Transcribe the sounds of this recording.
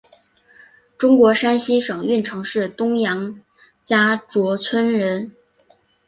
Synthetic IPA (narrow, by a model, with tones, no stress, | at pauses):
ʈ͡ʂʊ˥ŋkwɔ˧˥ʂa˥nɕi˥ʂɤ˨˩ŋy˥˩nʈ͡ʂʰɤ˧˥ŋʂɻ̩˥˩t̪ʊ˥ŋjɑ˧˥ŋ | t͡ɕja˥ʈ͡ʂwɔ˧˥t͡sʰwə˥nɻə˧˥n